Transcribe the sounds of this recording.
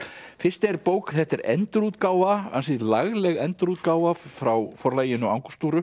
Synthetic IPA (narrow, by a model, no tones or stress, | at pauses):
fɪr̥st̪ɛɛɾpoːwkθɛht̪ɛɾɛ̰nt̪ʏɾuːt̪kaːwvaa̰nsɪlaɣlɛɣɛnt̪ʏɾuːt̪̚kaːwvafɾawfɔɾlaːjɪnɔawŋku̥st̪uːɾʏ